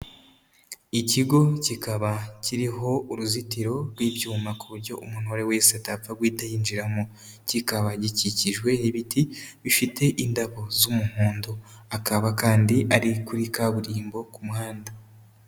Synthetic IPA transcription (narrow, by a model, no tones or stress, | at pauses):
iciɡo̞cikaβaciɾiɦo̞uɾuzitiɾo̞ɾɡwiːbjuːmakuβuɾɟo̞̰ʔumun̥oɾe̞we̞ːseatap͡faɡwiːtajiːnd͡ʒiɾamo | cikaβaɟiciciʒɡwe̞niβitʰiβifite̞ʔindaβo̞zumuhuːndoakaβakaːndiʔaɾikuɾikaβuɾiːmbo̞kumuhaːnda